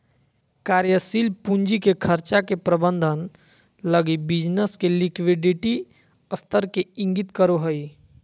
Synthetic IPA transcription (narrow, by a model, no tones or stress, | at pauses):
kaːɾjəsiːlpuɲd͡ʒikekʰəɾt͡ʃakepɾəbə̃nd̪ʱən | ləɡibɪd͡ʒnəskelɪkʋiɖɪʈi | əst̪ʰəɾkeɪ̃ŋɡit̪kəɾoɦəi